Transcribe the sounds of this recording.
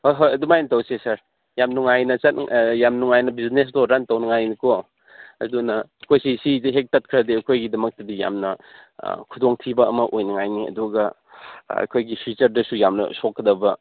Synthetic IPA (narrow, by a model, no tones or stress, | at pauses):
hojɦojɐdumajnitɐwsesɐɾ | jamnuŋajnɐt͡ʃɐt̚jamnuŋajnɐbiznes̬doɾantɐwnɐŋajniko | ɐ̰dunɐɐkʰojsisidɦek̚tɐt̚kʰɾɐdiɐkʰojɡidɐmɐk̚tɐdija̰mnɐ | kʰudoŋtʰibɐɐ̰mɐʔojnɐŋajniɐ̰duɡɐ | ɐ̰kʰojɡipʰit͡ʃɐɾdɐsujamnɐ̰sokʰːɐdɐbɐ